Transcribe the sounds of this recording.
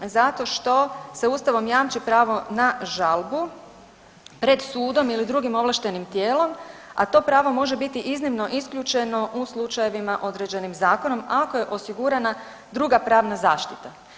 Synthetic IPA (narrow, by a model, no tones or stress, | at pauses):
zat̪o̞ʃt̪o̞seuːst̪aʋo̞mjaːmt͡ʃipɾaːʋo̞naʒalˠbu | pɾe̞d̪suːd̪o̞milid̪ɾuɡimo̞ʋlˠaʃt̪e̞nimt̪je̞ːlo̞ma̰t̪o̞pɾaːʋo̞mo̞ʒe̞bit̪iʔiznimno̞ʔiskʎʲut͡ʃe̞no̞ʔuslˠut͡ʃaje̞ʋimaʔo̞d̪ɾe̞d͡ʑe̞nimzaːko̞no̞mako̞je̞ʔo̞siɡuɾana | d̪ɾuɡapɾaːʋnazaːʃt̪it̪a